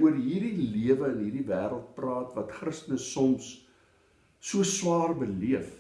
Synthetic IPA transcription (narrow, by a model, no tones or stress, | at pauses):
uərɦiːrdiliəvəənɦiːrdivæːɾəlˠt̚prɑːtvɐtχrəstənəsːɔms | suəswɑːrbəliəf